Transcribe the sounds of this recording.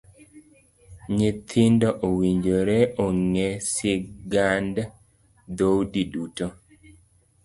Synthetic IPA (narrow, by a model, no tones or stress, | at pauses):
ɲɪt̪ʰindoʔowiɲd͡ʒoɾɛoŋɛsiɡanda | d̪owdiduto